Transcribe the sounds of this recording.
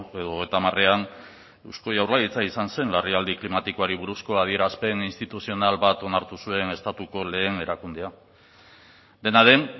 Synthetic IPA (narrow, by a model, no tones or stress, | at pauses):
e̞ðoːɣejt̪amare̞an | ewsko̞jawrlaɣit͡saisanse̞nlariald̪iklimat̪iko̞aɾiβuɾusko̞að̞ie̞ɾaspe̞ninst̪it̪usio̞nalβat̪o̞naɾt̪usue̞ne̞st̪at̪uko̞le̞ːne̞ɾakund̪ea | d̪e̞naðe̞n